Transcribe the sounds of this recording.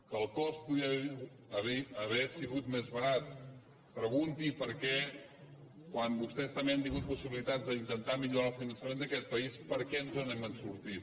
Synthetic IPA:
kəːlˠkɔst̪̚puðiəβ | əβiəβɛsiɣut̪mezβəɾat̪̚ | pɾəɣunt̪ipəɾkɛ | kwambust̪ɛst̪əmbeant̪iŋɡut̪̚pusiβilit̪ad͡zd̪əint̪ənt̪amiʎuɾalˠfinənsəmend̪əkɛt̪̚pəispəɾkɛnzənɛmənsuɾt̪i

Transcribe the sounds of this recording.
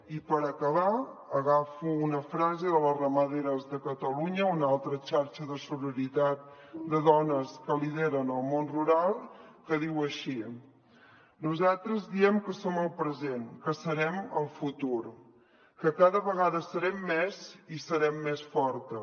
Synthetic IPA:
ipəɾəkəβaəɣafuːnəfɾazeðələrəməðeɾəzðəkət̪əluɲəunalˠt̪ɾət͡ʃaɾt͡ʃəðəsuləɾit̪at̪̚d̪əðɔnəskəliðeɾənəlˠmonruɾalˠkəðiwəʃi | nuzalˠt̪ɾəzðiɛmkəsoməlˠpɾəzenkəsəɾɛməlˠfut̪uɾ | kəkaðəβəɣaðəsəɾɛmːɛzisəɾɛmːesfɔɾt̪ə

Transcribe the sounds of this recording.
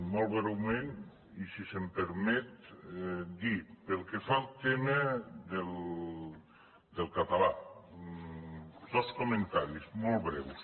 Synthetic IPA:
mɔlˠβɾɛwmẽn | isisempeɾmɛt̪ | d̪ipelˠkefalˠt̪emed̪el | d̪elˠkat̪ala | d̪oskomẽnt̪aɾismɔlˠβɾɛws

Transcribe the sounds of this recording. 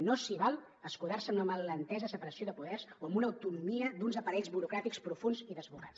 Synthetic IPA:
nosiβalˠ | əskuðarsəmunəməllənt̪ɛzəsəpəɾəsioðəpuðɛɾzoəmbunəːwt̪unumiəd̪unzəpəɾɛʎzβuɾukɾat̪ikspɾufunziðəzβura̰s

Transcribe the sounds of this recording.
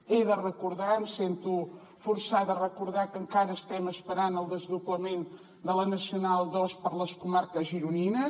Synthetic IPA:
eðərəkuɾðamsent̪u | fuɾsad̪ərəkuɾðakəŋkaɾəːst̪ɛməspəɾanəlˠd̪əzðuβləmen | d̪ələnəsiunalˠd̪ɔspəɾləskumaɾkəzʒiɾuninə

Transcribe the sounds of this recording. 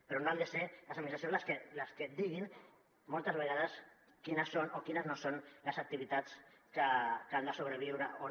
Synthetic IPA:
peɾonoald̪eseləsaminist̪asonzseləsked̪iɣ̞in | molˠt̪əzβeɣað̞əs | kinəsonʔokinəznosonləsak̚t̪iβit̪at͡skakand̪əsoβ̞ɾeβ̞iwɾəo

